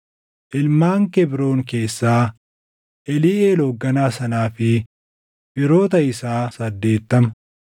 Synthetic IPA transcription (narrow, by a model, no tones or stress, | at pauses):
ʔɪlmaːŋkɛbɾo̞ːŋke̞ːsːaː | ʔɛliːʔeːloːɡːɐnaːsɐnaːfɪ | bɪɾo̞ːt̪ɐɪsaːsɐd̪ːe̞ːt̪ːɐmɐ